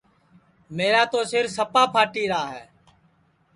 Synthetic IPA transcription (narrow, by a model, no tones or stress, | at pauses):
meːɾaːt̪oːsɪɾsəpaːpʰaːʈiːɾaːɦɛː